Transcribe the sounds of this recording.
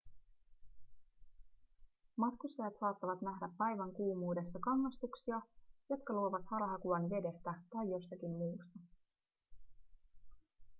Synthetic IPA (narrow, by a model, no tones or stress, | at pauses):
mɑt̪kust̪ɑjɑt̪sɑːt̪ːɑʋɑt̪næɦdæpːæjʋæŋkuːmuːde̞sːɑkɑŋːɑst̪uksiɑjo̞t̪kɑluoʋɑt̪hɑlɑɦɑkuɑnʋe̞de̞st̪æt̪ɑjːo̞st̪ɑkimmuːst̪ɑ